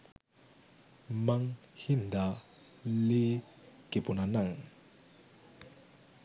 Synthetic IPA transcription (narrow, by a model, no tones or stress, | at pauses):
maŋ | hind̪a | leː | keponanaŋ